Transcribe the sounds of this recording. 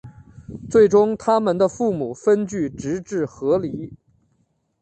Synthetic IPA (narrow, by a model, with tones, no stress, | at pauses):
t͡swe˥˩ɪʈ͡ʂʊ˥ŋt̪ʰa˥mə˨nd̪ə˧fu˥˩mu˨˩fə˥nt͡ɕy˥˩ʈ͡ʂɻ̩˧˥ʈ͡ʂɻ̩˥˩xɤ˧˥li˧˥